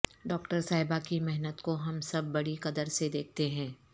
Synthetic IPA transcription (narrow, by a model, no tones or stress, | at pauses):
ɖɔːkʈəɾsaːɦɪbakimɛɦnət̪koɦɐmsɐbːɐɽiqɐd̪əɾsed̪eːk̚ʰt̪eɦɛ̃ː